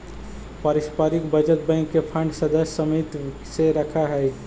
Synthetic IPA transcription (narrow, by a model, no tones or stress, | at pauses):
paɾɪspaːɾɪkbəd͡ʒət̪̚bɛ̃ŋkːepʰə̃ɳɖsəd̪əsːəmit̪ | seɾəkʰaɦɛ